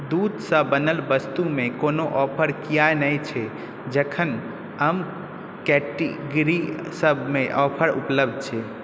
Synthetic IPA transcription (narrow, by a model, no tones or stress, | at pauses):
d̪ud̪səbːənəlbəst̪umekonoʔɔpʰəɾkijaenəjt͡ʃʰɛ | d͡ʒəkʰən | əm | kɛʈḭɡɾisəbmeʔɔpʰəɾṵpləb̚d̪̚t͡ʃʰɛ